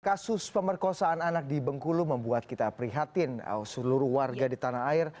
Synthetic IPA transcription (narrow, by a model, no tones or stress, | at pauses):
kasʊspəmərkosaːnanak̚dibəŋkuluməmbuat̪̚kit̪apɾiɦat̪ɪn̰səluɾʊhwarɡadit̪anaɦaɪr